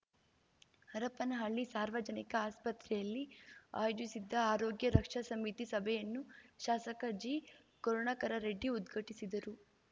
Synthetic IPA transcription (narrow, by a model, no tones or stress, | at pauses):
hɐɾɐpɐnɐɦɐɭːisaːɾʋɐd͡ʒɐnikɐaːspɐt̪ɾɛjɐlːia̰ːjoːd͡ʒisid̪ːɐaːɾoːɡjɐɾɐkʂɐsɐmit̪isɐbʱɛjɐnːuʃaːsɐkɐd͡ʒiː | kɔɾɔɳakɐɾɐɾeɖːiud̪ɡʱɐʈisid̪ɐɾu